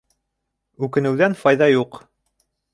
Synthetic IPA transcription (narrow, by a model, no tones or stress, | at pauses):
ʉkɘ̆nɘ̆wðænfɑjðɑjuq